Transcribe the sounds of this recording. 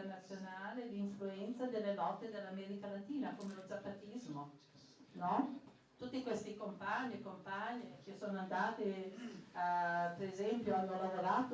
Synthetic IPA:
rnat̪sːjonaːled̪iɱfluɛnt̪sad̪elːelɔt̪ːed̪elːamɛːɾikalat̪iːnakomelozapːat̪izmo | nɔ | t̪ut̪ːikwest̪ikompaɲːikompaɲːikesːoːnoand̪aːt̪e | peɾezɛmpjoanːolavoɾaːt̪o

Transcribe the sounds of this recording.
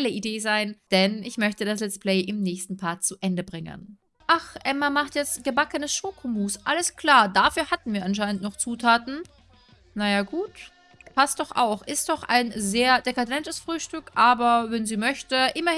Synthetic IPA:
ləʔideːzaɪnd̥ɛnɪçmœçtədaslɛt͡spl̥ɛɪʔɪmnɛːçstn̩pʰaːɐt͡suʔɛndəbʁɪŋə̰n | ʔaχʔɛmamaχtjɛt͡stɡ̥əbakənəsʃoːkʰomuːsʔaləskl̥aːɐdafyːɐhatn̩viːɐʔanʃ̬aɪnəntnɔχt͡suːtʰaːtn̩ | najaːɡuːt | pʰastd̥ɔχʔa̰ʊxʔɪst̚d̥ɔχʔa̰ɪnzeːɐdekadɛntəsfʁ̥yːʃtʏkʔaːbɐvɛnziːmœçtəʔɪmɐ

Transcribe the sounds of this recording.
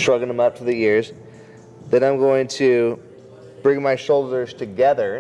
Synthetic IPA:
stɹ̥ʌɡl̩ə̃mʌp̚tʰəðɨjɪɹz | ðɨɾãɪ̃mɡoʊɪ̃ŋtʰɨ | b̥ɹɪ̃ŋmaɪʃoʊlˠdə˞z̥tʰɨɡɛðə˞

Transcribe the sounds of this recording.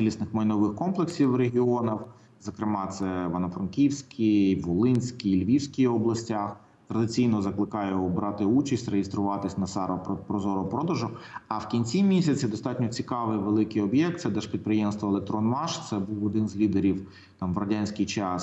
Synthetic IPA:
sʲilʲisnɪxmɐjnɔʋɪxkɔmplˠeksʲiwreɦʲiɔnɐw | zɐkɾɪmɑt̪sɛʋɐnɐfɾɐnkʲiwsʲkʲʰiʋɔlˠɪnʲsʲkʲilʲʋʲiwsʲkʲijɔblˠɐsʲtʲax | t̪ɾɐd̪ɪt͡sʲijnɔzɐklˠɪkɑjɛɔbɾɑt̪ɪut͡ʃɐsʲtʲrejest̪ɾʊʋɑt̪ɪsʲnɐsɑɾɔpɔpɾɔzɔɾɔpɾɔd̪ɐʒʊɐwkʲinʲt͡sʲimʲisʲɐt͡sʲid̪ɔst̪ɑtʲnʲɔt͡sʲikɑʋɪjʋelˠɪkɪjɔbʲjɛkt̪sɛd̪ɛʃpʲid̪̚pɾɪjɛmst̪ʋɔlˠek̚t̪ɾɔnmɑʃt̪sɛbuwɔd̪ɪnzʲlʲid̪eɾʲiw | t̪ɑmʋɾɔdʲanʲsʲkɪjt͡ʃɑs

